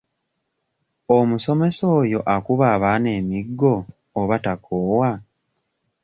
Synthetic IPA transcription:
omuso̞me̞so̞ːjo̞ʔakuβaːβaːne̞ːmiɡːo̞ː | βatakʰoːwa

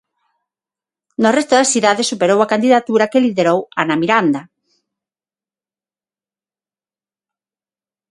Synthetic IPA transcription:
norest̪oðasθiðaðesːupeɾowakand̪iðat̪uɾakeliðeɾowanamiɾand̪a

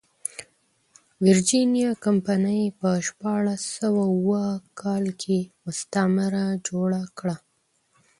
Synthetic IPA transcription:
vɪɾd͡ʒinjɑkampanəjpəʃpɑɽasəwawwəkʰɑlkʰemʊst̪amɪɾad͡ʒoɽakɽa

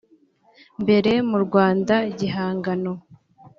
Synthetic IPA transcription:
mbe̞ɾe̞muɾɡwaːndaɟiɦaːŋɡano̞

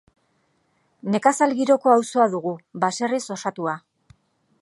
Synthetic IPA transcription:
ne̞kasalɣiɾo̞ko̞awso̞aðuɣuβase̞riso̞sat̪ua

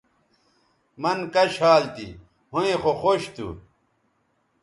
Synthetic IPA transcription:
mɐnkɐɕaːlt̪ḭ | hoẽxoxoːɕt̪ṵ

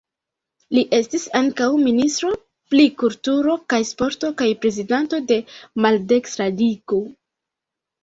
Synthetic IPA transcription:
liʔe̞stisaŋkawministɾo̞ | plikultuɾo̞kajspo̞ɾto̞kajpɾe̞zidanto̞de̞malde̞ksɾadiko

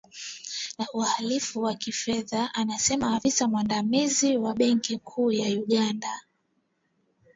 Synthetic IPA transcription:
nauhalifuwakifɛðaʔanasɛmaːvisamwandamiziwaɓɛŋkikʰuːjajuɠanda

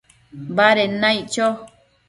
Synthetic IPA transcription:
baɾenãit͡ʃo

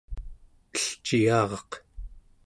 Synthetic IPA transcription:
əɬt͡ʃijɑːʁɑq

